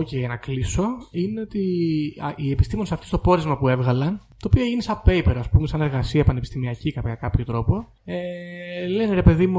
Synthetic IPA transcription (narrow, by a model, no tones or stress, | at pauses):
ociʝɐnɐkliso̞ineo̞t̪iɐie̞pi̥st̪imo̞nesɐft̪ist̪o̞po̞ɾizmɐpue̞vɣɐlɐnt̪oːpioeʝinisɐpe̞jpeɾoɐspume̞sɐneɾɣɐsiɐepɐnepi̥st̪imiɐcikɐpɐkɐpço̞t̪ɾo̞po̞ | eleniɾe̞pe̞ðimu